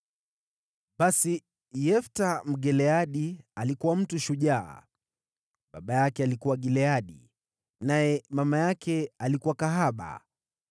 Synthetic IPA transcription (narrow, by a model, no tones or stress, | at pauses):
ɓasi | jɛftam̩ɡɛlɛaɗialikuwam̩tuʃuʄa̰ː | ɓaɓajakɛalikuwaɡilɛaɗḭ | najɛmamajakʰɛalikuwakaɦaɓa̰